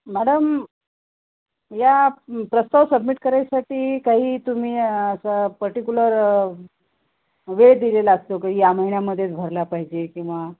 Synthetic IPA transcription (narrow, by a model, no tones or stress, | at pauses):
mæɽəm | japɾəst̪aʋsəbmiʈkəɾajsaʈiːkaɦiːt̪um̤iːəsapəɾʈikʲuləɾ | ʋeɽd̪ilelaəst̪okaijaməɦinjaməd̪ʱːjet͡sbʱəɾlapaɦid͡ʑekĩw̃ʋa